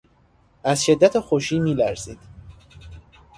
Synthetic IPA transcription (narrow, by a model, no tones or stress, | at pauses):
ʔæzʃe̞d̪ːæt̪ʰexoʃiːmiːlæɾziːd̪̥